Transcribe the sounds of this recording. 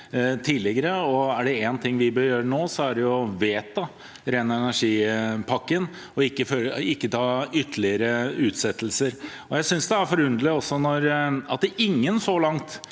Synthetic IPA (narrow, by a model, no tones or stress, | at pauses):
t̪ʰiːlɪɡəɾəɔæɖɛeːnt̪ʰɪŋːʋɪbøːɾjøːɾənoːsɔæɖɛjʊʋeːt̪ːɑ | ɾenɑɛnæʂiːpʰɑkːən | ɔɪkːəføɪkːət̪ʰɑːʏt̪ʰːlɪəɾəʉːt̪sɛt̪ːəlsəɾ | ɔjæɪsʏnsd̪ɛæɾfɔɾʉnd̪ləɔsːɔnɔɾɑt̪̚d̪ɛʔɪŋːənsɔlɑŋt̪